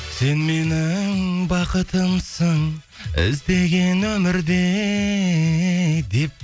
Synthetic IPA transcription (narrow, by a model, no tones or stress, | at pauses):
se̞nme̞nɪŋbɑqət̪ʰəmsəɴ | ɪ̰zd̪e̞ɡʲe̞nwɵmɪɾd̪e | d̪e̞p̚